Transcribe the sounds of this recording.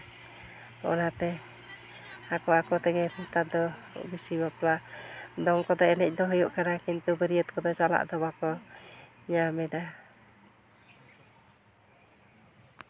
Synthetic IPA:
ɔ̰nat̪ɛ | akɔakɔt̪ɛɡɛput̪ad̪ɔ | bisibaplad̪ɔŋkɔd̪ɔɛnɛc̚ˀd̪ɔɦɔjuʔkanakint̪ubəɾiət̪̚kɔd̪ɔt͡ʃala̰ʔd̪ɔbakɔ | ɲamɛd̪a

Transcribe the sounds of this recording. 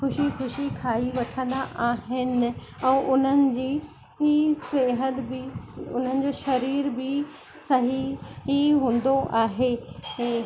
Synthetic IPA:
xʊʃixʊʃikʰaːiʋɐʈʰə̃nd̪aʔaːɦɪnɪ̆ | ɛ̃ːʔʊn̤ənɪ̆d͡ʑiː | iseːɦəd̪bɪʊ̰n̤ənɪ̆d͡ʑoʃɐɾiːɾbɪ | sɐɦiɦiɦũːn̆d̪oʔaːɦeː

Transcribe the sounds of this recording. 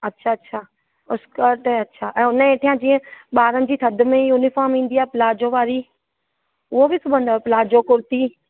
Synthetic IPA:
ɐtːʃʰaɐtːɕʰaː | ʊskəɾʈɛɐtːʃʰaːʔɛ̃ːʊnəeːʈʰijãd͡ʑĩːə̃ɓaːɾənɪ̆d͡ʑiːt̪ʰɐd̪ʊ̆mẽjuːnɪfaːɾmĩːn̆d̪iaːɦpɪlaːd͡ʑoʋaːɾi | ʊɦobɪsʰʊbʱə̃nd̪opɪlaːd͡ʑokʊɾt̪i

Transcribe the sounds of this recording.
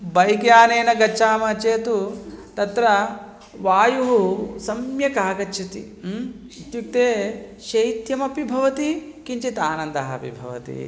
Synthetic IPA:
bɐjkjaːneːnɐɡɐt͡ʃːaːmɐt͡ʃeːt̪ut̪ɐt̪ɾɐ | ʋaːjuɦusɐmjɐkaːɡɐt͡ʃːʃʰɐt̪ḭ | t̪juk̚t̪eːʃɐjt̪jɐmɐpibʱɐʋɐt̪ikiɲt͡ʃit̪aːnɐnd̪ɐɦɐpḭbʱɐ̰ʋɐ̰t̪ḭ

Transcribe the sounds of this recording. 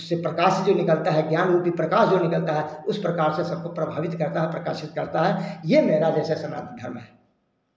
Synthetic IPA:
sːepɾɐkaːʃd͡ʒonɪkəlt̪aɦɛɡjaːnɾuːpipɾəkaːsd͡ʒonɪkəlt̪aɦɛʊspɾəkaːɾsesɐb̚kopɾəbʱaːʋɪt̪kəɾt̪aɦɛpɾəka̰ːʃɪt̪̚kɐɾt̪aɦɛjemeːɾad͡ʒɛːsesənã̰ːnt̪d̪ʱəɾmɦɛː

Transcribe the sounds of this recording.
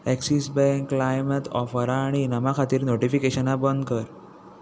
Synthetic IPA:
ɛksisbɛ̃ŋkːlajmət̪ɔfəɾaːɽ̃inəmakʰat̪iːɾnoʈifikeɕənabənd̪̚kəɾ

